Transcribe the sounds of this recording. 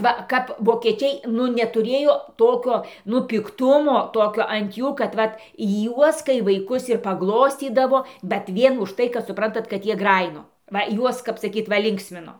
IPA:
ˈʋɐ ˈkɐp ʋoːkʲiɛˈt͡ʃʲɛɪ ˈnʊ nʲɛtʊˈrʲeːjoː ˈtoːkʲoː nʊ pʲɪkˈtʊmoː ˈtoːkʲoː ɐnt ˈjuː kɐt ˈʋɐt ˈjuɔs kɐɪ ʋɐɪˈkʊs ɪr pɐˈɡlˠoːsʲt͡sʲiːdɐʋoː bʲɛt ˈʋʲiɛn ʊʃ ˈtɐɪ kɐt sʊˈprɐntɐt kɐt ˈjiɛ ˈɡrɑːjɪnoː ˈʋɐ ˈjuɔs kɐp sɐˈkʲiːt ˈʋɐ ˈlʲɪŋksʲmʲɪnoː

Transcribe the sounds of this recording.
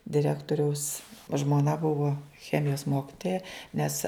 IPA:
dʲɪˈrʲæːktoːrʲɛʊs ʒmoːˈnɐ ˈbʊʋoː ˈxʲæːmʲɪjoːs ˈmoːkʲɪtoːjɛ ˈnʲɛs

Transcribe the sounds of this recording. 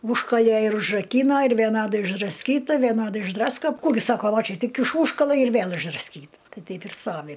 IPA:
ˈuːʃkɐlʲeː ɪr ʊʒrɐˈkʲiːnoː ɪr ʋʲiɛˈnɑːdɐɪ ɪʒdrɐsʲˈkʲiːtɐ ʋʲɛˈnɑːdɐɪ ɪʒˈdrɑːskoː ˈkuː ɡʲɪ ˈsɑːkoː ˈʋɐ ˈt͡ʃʲɛ ˈtʲɪk ɪʃ ˈuːʃkɐlˠɐ ɪr ˈʋʲeːlˠ ɪʒdrɐsʲˈkʲiːtɐ ˈtɐɪ ˈtʲɛɪp ɪr ˈstoːʋʲɪ

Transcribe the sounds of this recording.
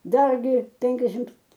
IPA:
ˈdɐrʲɡʲɪ ˈpʲɛŋʲkʲɛʃʲɪmt

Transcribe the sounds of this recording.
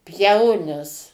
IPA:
ˈpʲjɛʊnʲɪs

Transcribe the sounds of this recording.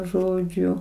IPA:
ˈʒoːd͡ʒʲʊ

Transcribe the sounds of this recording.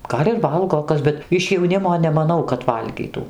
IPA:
ˈɡɐlʲ ɪr ˈʋɐlˠɡoː ˈkɐs bʲɛt ɪʃ jɛʊˈnʲɪmoː nʲɛmɐˈnɐʊ kɐt ˈʋɐlʲɡʲiːtuː

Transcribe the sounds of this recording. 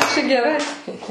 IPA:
t͡ʃʲɛ ɡʲɛˈrɐɪ

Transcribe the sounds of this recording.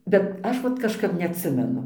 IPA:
bʲɛt ˈɐʃ ʋɐt kɐʃˈkɐp nʲɛɐtʲˈsʲɪmʲɛnʊ

